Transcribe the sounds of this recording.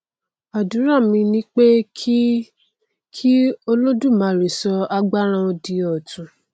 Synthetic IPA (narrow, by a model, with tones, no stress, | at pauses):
a˨dũ˨˦ɾa˦˨mĩ˧nĩ˦k͡pe˦ | kʰi˦o˧lo˦dũ˦˨mã˨˦ɾi˨sɔ˧a˧ɡ͡ba˦ɾ̃ã˧o˧di˧ɔ˨tũ˨